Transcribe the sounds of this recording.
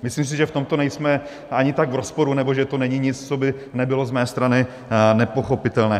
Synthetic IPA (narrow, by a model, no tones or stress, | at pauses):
mɪslims̬ɪʒɛft̪o̞mt̪o̞nɛjsmɛ | aɲɪt̪aɡvɾospo̞ɾunɛboʒɛt̪onɛɲɪɲɪt͡st͡sobɪnɛbɪlo̞zmɛːst̪ɾanɪ | nɛpo̞xo̞pɪt̪ɛlnɛː